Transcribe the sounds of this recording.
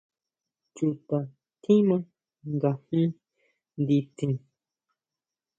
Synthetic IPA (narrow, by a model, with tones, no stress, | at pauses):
t͡ʃu˨t̪a˨ | t̪ʰĩ˦mã˦ | ŋɡa˨m̥ĩ˦ | nd̪i˧t̪ʰĩ˨